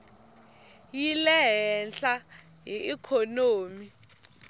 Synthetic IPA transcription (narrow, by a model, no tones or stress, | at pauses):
jilɛɦɛnɬa | ɦiikʰɔnoːmi